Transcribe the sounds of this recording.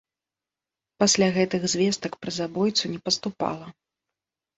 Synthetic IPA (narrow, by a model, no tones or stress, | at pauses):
pasʲlʲaɣɛt̪ɨɣzʲvʲɛst̪ɐkpɾɐzabɔjt̪sunʲɛpɐst̪upa̰lˠɐ